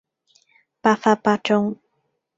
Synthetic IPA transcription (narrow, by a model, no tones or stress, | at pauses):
pafapaʈ͡ʂoŋ